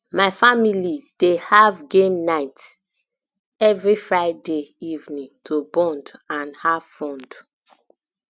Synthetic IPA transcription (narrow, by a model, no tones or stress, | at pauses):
maɪfamilid̥ehavɡẽmnaɪt | ɛvɹifɹaɪdeivnĩŋtʰobɔ̃ndãnhavfɔ̃nd